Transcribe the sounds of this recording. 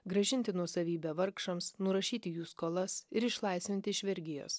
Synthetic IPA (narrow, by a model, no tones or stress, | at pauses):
ɡɾɐʒʲɪnʲt̪ʲɪnuɔsɐʋʲiːbʲɛʋɐɾkʃɐmsnʊɾɐʃʲiːt̪ʲɪjuːskoːlˠɐsɪɾɪʃlˠɐɪsʲʋʲɪnʲt̪ʲɪʃʲʋʲɛɾʲɡʲɪjo̰ːs